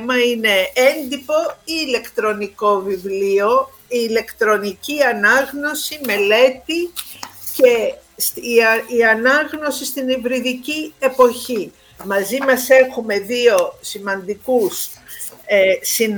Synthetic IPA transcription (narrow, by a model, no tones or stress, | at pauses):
mɐine̞e̞nd̪ipo̞iːle̞kt̪ɾo̞niko̞vivlio̞ | iːle̞kt̪ɾo̞niciɐnɐɣno̞sime̞le̞t̪i | ce̞siɐnɐɣno̞sist̪inivɾiðicie̞po̞çi | mɐzimɐse̞xume̞ðio̞simɐnd̪ikus | sin